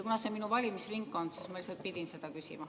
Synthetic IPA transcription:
kunɑse̞minuvɑlʲimisriŋkːˑo̞nsismɑilselt̪̚pid̪̥inse̞d̪̥ɑkysḭmɑ

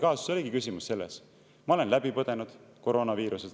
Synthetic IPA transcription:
kɑːssoliɡikysʲimusːe̞lːḛs | mɑo̞le̞nlæb̥ipɤd̪̥e̞nud̪̥ko̞ɾo̞ːnɑviːɾusel

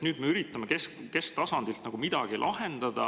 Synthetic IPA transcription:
nyːd̪meyɾit̪ːˑɑmekeske̞st̪ɑsɑnd̪ilt̪nɑɡ̥umid̪̥ɑɡ̥ilʔɑɦe̞nd̪̥ɑd̪̥ɑ̰

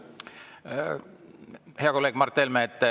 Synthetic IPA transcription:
heɑko̞lːeːɡ̥mɑrt̪ːelmet̪ːˑ

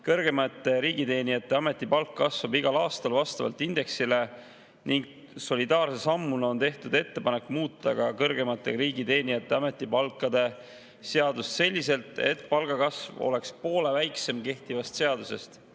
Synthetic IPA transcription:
kɤrɡ̥e̞mɑt̪ːˑe̞ɾiːɡ̥it̪e̞ːnijɑt̪ːˑe̞ɑme̞t̪ːˑipɑlkːɑsvɑbiɡ̥ɑlɑːst̪ɑlvɑst̪ɑvɑ̰lt̪ːˑind̪̥e̞ksile̞ | niŋɡ̥ | so̞lʲid̪ɑːrsesɑmːuno̞nt̪e̞ht̪ud̪e̞t̪ːe̞pɑnekːˑmuːt̪ːˑɑɡ̥ɑkɤrɡ̥e̞mɑt̪ːˑe̞ɾiːɡ̥it̪e̞ːnijɑt̪ːˑe̞ɑme̞t̪ːˑipɑlkːˑɑd̪̥e̞ | se̞ɑd̪̥usse̞lʲːise̞lt̪ˑe̞̰t̪̚ːˑpɑlɡ̥ɑkɑsvo̞̰le̞kspo̞ːlevæjkse̞mke̞ht̪ivɑst̪se̞ɑd̪̥use̞st̪

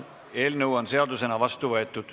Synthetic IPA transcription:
e̞ːlnɤuwonse̞ɑd̪use̞nɑvɑst̪uvɤ̞e̞t̪ːˑud̪̥

